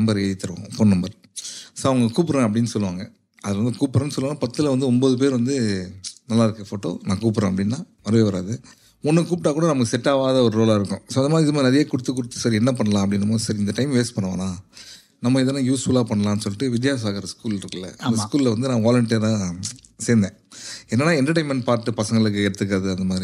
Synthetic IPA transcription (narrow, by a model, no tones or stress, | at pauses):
nɐmbɐɾeːðɪt̪ːɯɾɯʋõ̰foːnnɐmbɐɾ | soːɐʋɐŋɡɐkuːp̬ːɪɾẽːɐp̬ɐɽɪnːɯsɔlːɯʋaːŋɡɐ | ɐðɪlɐʋɐnd̪ɯkuːpːɪɾɐnːɯsɔlːʋːnːaːpɐt̪ːɯlɐʋɐnd̪ɯɔmboːðɯp̬eːɾʋɐnd̪ɯnɐlːaːɪɾɯkːɐfoːʈːo̰ːnãːkuːp̬ːɪɾẽːɐpːɐɽɪnːãːʋɐɾɐʋeːʋɐɾa̰ːðɯ | ɔnːɯkuːp̚ʈːaːkuːɽɐnɐmɐkːɯsɛʈːaːʋaːðɐɔɾɯɾoːlaːɪɾɯkːʊ̃soːɐnɐmaːðɾɪðɐmaːnɐɾɐjeːkʊɽɯt̪ːɯk̬ːʊɽɯt̪ːɯsaːɾiɛnːɐp̬ɐɳːɐlãːɐp̬ːɐɽɪnːɐmaːðɾisɐɾɪnd̪ɐʈɐɪmʋeːspɐɳːɐʋã̰ːnaː | nɐmːɐɪðɛlːãːjuːsfuːlaːpɐɳːɐlãːnːɯsɔlːɪʈːɯʋɪd̪jaːs̬ɐaːɣɐɾɐskuːlɪɾɯkːɯlːɐ̰ʔɐ̰d̪ɐskuːlɪlɐʋɐnd̪ɯnãːʋaːlɐɳʈijɾaː | seːɾnd̪ẽːɛnːɐnːaːɛndɐʈ̬ɐɪmɐnpaːɾʈːɯpɐsɐŋɡɐɭɯk̬ːɯɛɽɯt̪ːɯk̬ːɐɾɐðɯɐnd̪ɐmaːðɪɾi